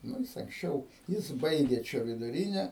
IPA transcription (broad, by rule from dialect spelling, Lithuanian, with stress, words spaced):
ˈnʊ jɪs ɐŋksʲˈt͡ʃʲɛʊ ˈjɪs ˈbɐɪɡʲeː ˈt͡ʃʲɛ ʋʲɪdʊˈrʲiːnʲɛ